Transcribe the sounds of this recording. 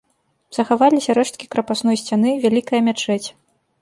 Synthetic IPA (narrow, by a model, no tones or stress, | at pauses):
z̥ɐxavalʲisʲɐɾɛʂt̪̚kʲikɾɐpasn̪ɔjsʲt͡sʲan̪ɨvʲalʲikɐjɐmʲat͡ʂɛt͡sʲ